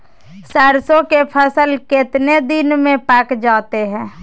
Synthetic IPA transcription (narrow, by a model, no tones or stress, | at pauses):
sɛːɾsõkepʰəsəlkɪt̪ned̪ɪnmẽpɛːkd͡ʒaːt̪eɦɛ̃ː